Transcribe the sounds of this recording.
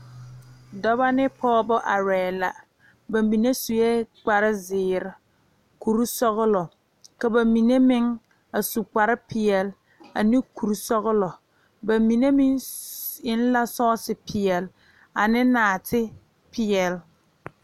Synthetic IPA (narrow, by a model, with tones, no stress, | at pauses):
dɔ˦ba˦nɪ˦pʰɔː˦bɔ˦ʔa˨ɾɛː˨la˨ | ba˨mbi˨ne˦su˨jɛ˦k͡pa˨ɾɪ˦zɪː˨ɾɪ˨ | ku˨ɾu˦sɔ˦ɣʊ˦lɔ˨ | ka˨ba˨mi˨ne˦mɪ˦ŋ | a˨su˨k͡pa˨ɾɪ˦pʰɪ˨ɛ˨l | a˨nɪ˦ku˨ɾu˦sɔ˦ɣʊ˦lɔ˨ | ba˨mi˨ne˦mɪ˦ŋ | ɪ˦n˦la˦sɔː˦sɪ˨pʰɪ˨ɛ˨l | a˨nɪ˦naː˨tʰɪ˦ | pʰɪ˨ɛ˨l